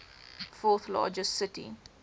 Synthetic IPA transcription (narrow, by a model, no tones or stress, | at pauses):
fɔːˑθlɑ̰ːd͡ʒəstsɪtḭ